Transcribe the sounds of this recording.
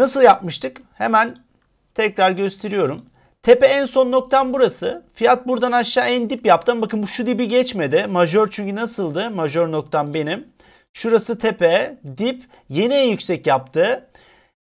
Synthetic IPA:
nasɯlˠjap̚mɯʃt̪ʰɯk | hemæn | t̪ʰɛcɾaɾɟø̞st̪ʰe̞ɾijo̞ɾum | t̪ʰepɛːnso̞nːo̞k̚t̪ʰanbuɾasɯfijat̪̚buɾd̪anaʃːaːænd̪ipjap̚t̪ʰɯmbakɯnbuʃud̪ibiɟɛt͡ʃme̞d̪ɪmaʒoɾt͡ʃʰyɲcynasɯlˠd̪ɯmaʒo̞ɾno̞k̚t̪ʰanbe̞nim | ʃuɾasɯt̪ʰepɛd̪ip | je̞niænjycsɛcjapt̪ʰɯ

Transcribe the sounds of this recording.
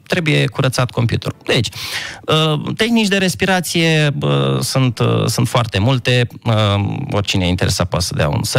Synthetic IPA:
t̪ɾe̞buje̞kuɾət̪sat̪ko̞mpjut̪eɾud̪et͡ʃʲət̪e̞xnit͡ʃd̪e̞ɾe̞spiɾat̪sije̞ə̰sunt̪sunt̪foart̪e̞mult̪e̞ | orʲt͡ʃineaint̪e̞ɾe̞̰sat̪pat̪səd̪ea̰ṵnsə

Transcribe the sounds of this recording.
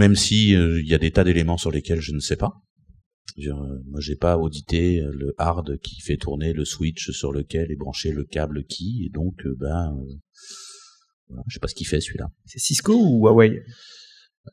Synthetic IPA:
mɛmsiøiljad̪et̪ad̪elemɑ̃syʁlekʲɛlʒənəsɛpa | diʁømwaʒepaod̪it̪eøləʔaʁd̪kʲʰi̥fɛt̪ʰuʁneləswit͡ʃsyʁləkʲɛlɛbʁɑ̃ʃeləkʲabləkʲʰied̪ɔ̃kʰøbaø | vwala̰ʒə̥sɛpasə̥kʲifɛsəɥila̰sɛsiskouwawɛj

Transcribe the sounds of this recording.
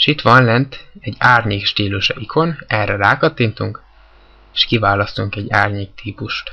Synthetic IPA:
ʃit̪ʋɒnlɛnt̪ɛɟːaːrɲeːkʃt̪iːluʃɒ̰ʔikʰo̞nɛrːɛraːkɒt̪ːiːnt̪uŋk | eːʃkivaːlɒst̪uŋkɛɟːaːrɲeːk̚t̪ʰiːpuʃt̪

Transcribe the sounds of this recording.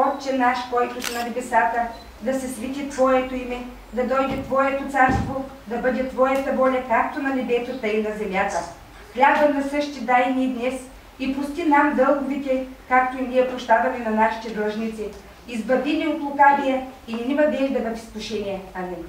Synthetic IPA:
ɔtt͡ʃɛnaʃkɔjt̪osɛnɐnɛbɛsat̪ə | d̪ɐsɛsvɛt̪ʲit̪vɔɛt̪oimɛ | d̪ɐd̪ɔjd̪ɛt̪vɔɛt̪ot̪saɾst̪vo | d̪ɐbɤd̪ʲɛt̪vɔjɐt̪ɐbɔlʲɐkak̚t̪onɐnɛbɛsot̪əinɐzɛmʲjat̪ə | xlʲabənɐsɤʃt̪id̪ajnʲid̪nɛs | ipust̪ʲinamd̪ɤlˠɡʊvit̪ʲɛkakt̪oiniɛpɾoʃt̪avɐmɛnɐnaʃi̥t̪ɛd̪əʒnit̪si | izbɐd̪inʲɛok̪lˠʊkabijɐinʲimɐd̪ɛnd̪ɐbəd̪ʲɛspuʃɛnʲiɛamɛn

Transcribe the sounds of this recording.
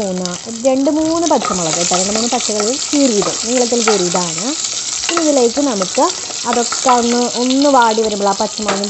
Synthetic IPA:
uːnːɨ | ɾe̞ɳɖɨmuːnːɨpɐtʂɐmɐɭɐkːɐt̪ːɐɾɐŋɡɐmɐnɨpɐɕɐɣɐɭlumsiːriːðɨniːɭɐt̪̬ːilt̪̬iːɾiːðaːɳɨ | piniðileːkːɨnɐmukːɨ | ɐðo̞kːeonːɨʔonːɨʋaːɽiʋɐɾumbɭaːpːɐt͡ɕːɐmaːni

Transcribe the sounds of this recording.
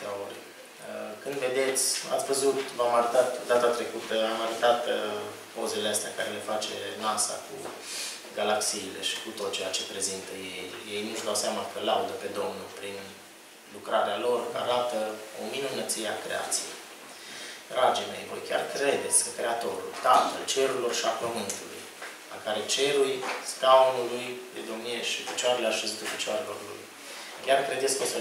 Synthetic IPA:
aorʲ | əkɨnd̪ve̞d̪e̞t̪sʲa̰svəzut̪vamaɾut̪at̪d̪at̪at̪ɾe̞kut̪əamaɾət̪at̪ | po̞zeleəst̪eakaɾe̞le̞fat͡ʃe̞̰nasa̰kṵ | ɡalaksiːle̞̰ʃi̥kut̪o̞t̪̚t͡ʃe̞jat͡ʃe̞pɾe̞zint̪əje̞jːe̞jnuʒd̪awseamakəlaud̪əpe̞d̪o̞mnulpɾin | lukɾaɾealo̞rka̰ɾat̪əominunət̪sie̞akɾe̞̰a̰t̪sijḛj | d̪ɾad͡ʒijme̞jvojkʲarkɾe̞d̪e̞t̪sʲkəkɾe̞at̪o̞ɾṵlt̪afə̰lt͡ʃe̞ɾuɾilo̞rʃapəmɨnt̪ulṵj | la̰kaɾe̞t͡ʃe̞ɾujskaonulujpe̞d̪omnieʃifit͡ʃeaɾeleaʃist̪ufit͡ʃeaɾelo̞̰rlṵj | kʲarkɾe̞d̪eskosə

